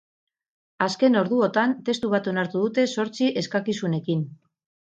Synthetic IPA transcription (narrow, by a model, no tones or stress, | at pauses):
aske̞no̞ɾðuo̞t̪ant̪e̞st̪uβ̞at̪o̞naɾt̪uðut̪e̞so̞ɾt͡siʔe̞skakisune̞kin